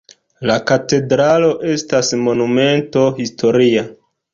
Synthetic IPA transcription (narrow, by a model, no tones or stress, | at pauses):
lakate̞dɾalo̞ʔe̞stasmo̞nume̞nto̞histʰo̞ɾia